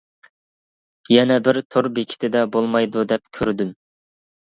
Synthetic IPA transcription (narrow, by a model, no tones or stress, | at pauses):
jɛnɛbɪɾt̪ʰoɾbekʲʰi̥t̪ʰɪd̪ɛbolˠmɑjd̪ud̪ɛp̚kʲʰøɾd̪ym